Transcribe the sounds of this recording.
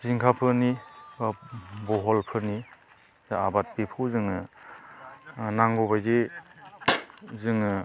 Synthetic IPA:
ziŋkʰapʰɯnibabɔɦɔlpʰɯni | aabat̚bipʰuzɯŋɯ | naŋɡɔbajde | zɯŋɯ

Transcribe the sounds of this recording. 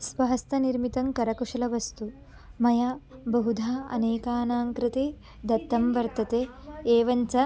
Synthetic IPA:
sʋɐɦɐst̪ɐniɾmit̪ɐŋkɐɾɐkuʂɐlɐʋɐst̪u | mɐjɐbɐɦud̪ʱaːɐ̰neːkaːnaːŋkɾɪt̪e | d̪ɐt̪ːɐmʋɐɾt̪ɐt̪eːeːʋɐnt͡sɐ

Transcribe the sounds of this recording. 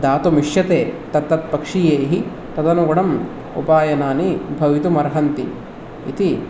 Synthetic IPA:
d̪aːt̪umiʂjɐt̪eːt̪ɐt̪ːɐt̪̚pɐkʂijeːɦi | t̪ɐd̪ɐnuɡɔɽɐm | ṵpaːjɐnaːnibʱɐʋit̪umɐɾɦɐnt̪iː | t̪i

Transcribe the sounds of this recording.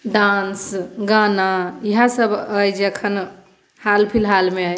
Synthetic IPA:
ɖãnsɡanaiɦasəbəjd͡ʒeəkʰən | halpʰilɦalmeəj

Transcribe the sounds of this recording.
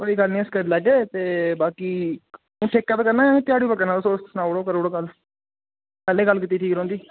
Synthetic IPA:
pəɽiːɡəlnĩːəskələɡeːt̪eːbaːkiː | ũːʈʰeːkːaɛːp̪eːkəɾnaːt̪ɪjaːɽiːpəkənaːosoːt͡ʃ̪snaːoɽoːkəɾoːɽoːɡəl | pɛːleːɡəlkit̪ːiːʈʰiːkɾõːnd̪iː

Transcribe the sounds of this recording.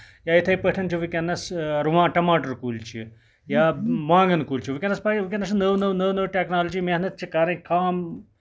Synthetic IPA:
jaːjit̪ʰɐjpəʈʰɐnt͡ʃʰiʋikʲɐnːɐsɾuʋãːʈɐmaːʈɐɾkuːlt͡ʃʰḭ | jaːmãːŋɡɐnkuːlt͡ʃʰiʋikʲɐnːɐspaːiʋikʲɐnːɐsnəʋnəʋnəʋnəʋʈeknaːlod͡ʒimeɦnɐt̪̚t͡ʃʰikaːɾɐ̃kaːm

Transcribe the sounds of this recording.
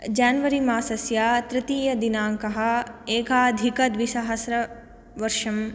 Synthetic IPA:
d͡ʒaːnʋɐɾimaːsɐsjaːt̪ɾɪt̪iːjɐd̪inaːŋkɐɦɐ̆eːkaːd̪ʱikɐt̪ʋiʃɐɦɐsɾɐ | ʋɐɾʃɐm

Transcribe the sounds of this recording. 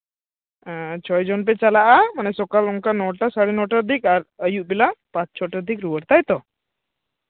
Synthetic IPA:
t͡ʃʰɔjd͡ʒɔnp̬ɛt͡ʃalaʔamanɛsɔkaluŋkanɔʈasaɽinɔʈəɾd̪ʱikaɾəjuʔbilapãt͡ʃt͡ʃʰɔʈəɾd̪ʱikɾuwəɾt̪ajt̪ɔ

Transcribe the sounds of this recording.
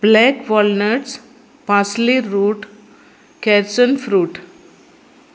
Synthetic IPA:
blɛkʋɔlnəʈs | pasliːuːʈ | kɛɾsənfɾuːʈ

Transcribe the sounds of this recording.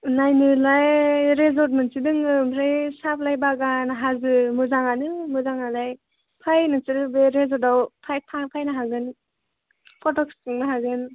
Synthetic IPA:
najnɯlajɾezɔt̚mɯnsidɯŋɯmʰɾajsap̚ʰlajbaɡanaɦazɯmɯzaŋanɯmɯzaŋalaj | pʰajnɯsiɾɯbeɾezɔdawpʰaj̚pʰapʰajnaɦaɡɯn | pʰɔtɔk̚sɯŋnaɦaɡɯn

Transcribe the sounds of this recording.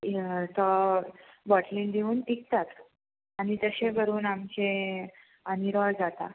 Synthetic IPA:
t̪ə | bɔʈlild̪ʱiuːnek̚t̪at̪ | anit̪əɕebʱəɾuːnamt͡ɕẽ | əniɾɔɭd͡zat̪a̰

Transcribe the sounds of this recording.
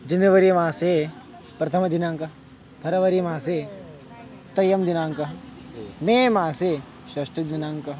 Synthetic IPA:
d͡ʒɐnjɐʋɐɾijmãːse | pɾɐt̪ʰɐmɐd̪ʱinãːŋkɐ | pʰɐɾɐʋɐɾimãːseː | t̪ɐjɐmd̪inãːŋkɐ | mẽːmãːseː | ʃɐʃʈɐd̪inãːŋkɐ

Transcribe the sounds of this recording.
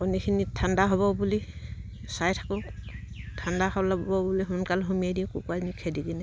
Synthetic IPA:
ɔnikʰinitʰandaɦɔβɔbuli | sajtʰḁkʊ | tʰandahɔblabɔbɔbuliɦunkalɦumiadĩkukuaznikʰediɡinɛ

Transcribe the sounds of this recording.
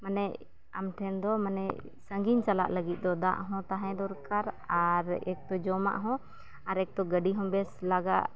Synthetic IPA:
manɛʔ | amʈʰɛnd̪ɔmanɛʔ | səŋɡiɲt͡ʃala̰ʔləɡit̪̚ˀd̪ɔd̪a̰ʔɦɔ̃t̪aɦɛ̃d̪ɔɾkaɾaɾɛk̚t̪ɔd͡ʒɔma̰ʔɦɔ̃ | aɾɛk̚t̪ɔɡəɖiɦɔ̃bɛslaɡa̰ʔ

